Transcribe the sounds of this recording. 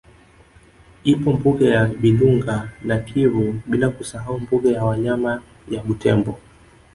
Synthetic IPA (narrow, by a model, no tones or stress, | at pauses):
ipɔmbuɡɛjaɓiluŋɡanakʰiɾuɓilakusaɦaumbuɡɛjawaɲama | jaɓutʰɛmbɔ